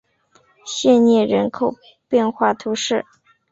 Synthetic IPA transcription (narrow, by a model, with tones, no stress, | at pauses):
ɕjɛ˥˧nnjɛ˥˩ɻə˧˥nkʰo˨˩ʊ | pjɛ˥˧nxwa˥˩t̪ʰu˧˥ʂɻ̩˥˩